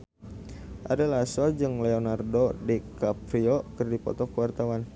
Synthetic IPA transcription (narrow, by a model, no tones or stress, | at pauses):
ʔa̰dalasɔd͡ʒɨŋlɛonardodikapɾiɔkɨrdipɔ̰t̪ɔkəwart̪awan